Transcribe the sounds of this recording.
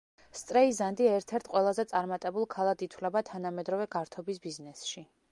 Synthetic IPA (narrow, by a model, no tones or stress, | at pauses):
st̪sʼɾɛizand̪iɛɾt̪ʰɛɾt̪ʰqʼwɛlˠazɛt̪sʼaɾmat̪ʼɛbulˠkʰalˠad̪it̪ʰwlɛbat̪ʰanamɛd̪ɾɔvɛɡaɾt̪ʰɔbisbiznɛsʃi